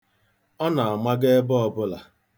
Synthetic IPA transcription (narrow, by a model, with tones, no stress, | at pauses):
ɔ˦na˨a˨ma˦ɡe˦e˦bɔ˨bʊ˦la˨